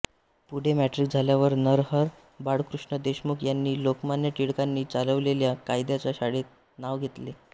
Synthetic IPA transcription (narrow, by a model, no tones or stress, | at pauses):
puɽ̤emæʈɾik̚d͡zʱaljaʋəɾnəɾɦəɾ | baɽkɾuʂɳəd̪eɕmukjanːiːlokmanjəʈ̪iɽkanːiːt͡saləʋleljakajd̪jat͡ɕaɕaɽet̪̚ | naʋɡʱet̪le